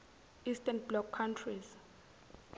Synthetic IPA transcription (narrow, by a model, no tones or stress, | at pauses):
istʰʼɛnblɔkʰːantʰriz